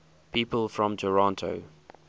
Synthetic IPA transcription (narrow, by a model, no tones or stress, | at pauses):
pʰiːˑpəlˠfɹɔ̃mtʰəɹɑ̃ntʰo̰ʊ